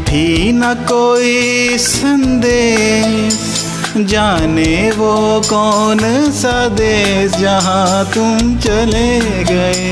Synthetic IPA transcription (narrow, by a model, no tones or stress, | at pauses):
pʰiːnakoːisɐnd̪e | ʃ | d͡ʒaːneʋokɔːnsad̪eːsd͡ʒɐɦãt̪ũt͡ʃɐle | ɡɐeː